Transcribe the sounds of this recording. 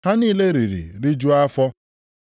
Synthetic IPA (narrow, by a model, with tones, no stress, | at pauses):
ha˦niː˦le˦ɾi˨ɾḭ˨ɾi˦d͡ʒu˦a˦fɔ˦